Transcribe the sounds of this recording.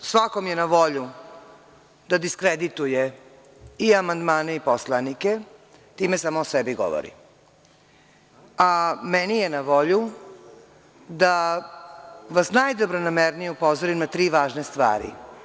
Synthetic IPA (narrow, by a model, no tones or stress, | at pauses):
sʋakomjenaʋo̞ʎu | d̪ad̪iskɾed̪it̪uje | iamand̪maːneiposlˠanike̞ | t̪iːmesaːmoosebiɡo̰ʋo̰ɾḭ | amenijenaʋo̞ʎu | d̪a | ʋasnajd̪obɾonameɾnijeupozoɾimnat̪ɾiːʋaːʒnest̪ʋa̰ːɾḭ